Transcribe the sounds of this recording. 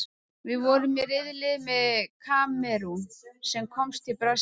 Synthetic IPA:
vɪðvɔɾʏmɪrɪðlɪðmɛðkʰaːmɛɾusɛmkʰɔmst̪ʰɪlpɾa

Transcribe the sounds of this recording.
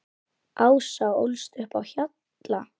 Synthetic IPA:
ʔaːwsao̰wlst̪ɾʏhpawçat̪ | la

